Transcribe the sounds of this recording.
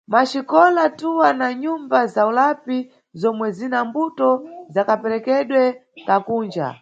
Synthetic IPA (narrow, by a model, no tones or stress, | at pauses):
maʃikɔlatuwanaɲumbazaulapi | zɔmwɛzinambutɔzakapɛɾɛkɛɗwɛkakuːnd͡ʒa̰